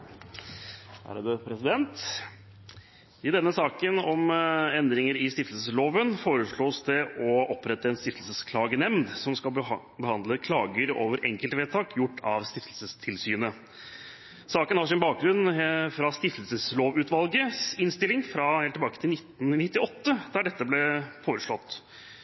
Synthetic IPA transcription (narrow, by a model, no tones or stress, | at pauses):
hæ̰ɾɑd̪əpʰɾɛsɪd̪ɛnt̪ | ɪd̪ɛnːəsɑːkənɔmɛnd̪ɾɪŋəɾɪst̪ɪft̪əlsəloːʋənfoːɾəʂɭoːsd̪ɛʔɔʔɔpːɾɛt̪ːəɛnst̪ɪft̪əlsəskʰlɑːɡənɛmnd̪sɔmskɑl | bəhɑnd̪ləkʰlɑːɡəɾoːʋəɾʔɛ̰ŋkəlt̪ʋeːt̪ʰɑːkʰjʊʈːɑ̰ʋst̪ɪft̪əlsəst̪ʰɪlsyːnə | sɑːkənhɑʂɪnbɑːk̚ɡɾʉnfɾɑst̪ɪft̪əlsəsloːʋʉːt̪ʋɑlɡəsɪnst̪ɪlːɪŋfɾɑheːlt̪ʰːɪbɑːkət̪ʰɪlnɪt̪ːn̩nɪt̪ːɪɔt̪ːəd̪æɖɛt̪ːəblɛfoːɾəʂɭɔt̪ː